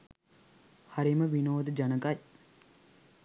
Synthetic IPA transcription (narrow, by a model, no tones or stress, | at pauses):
haɾiməʋinoːd̪əd͡ʒanəkaj